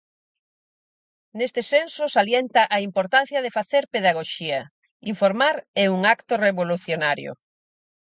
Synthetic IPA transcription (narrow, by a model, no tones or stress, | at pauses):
nest̪ɪsensʊsaljɛnt̪ɐʔaimpoɾt̪an̟θjɐðefaθeɾpeðaɣoʃiɐ | iɱfoɾmaɾɛuŋakt̪oreβoluθjonaɾjo̰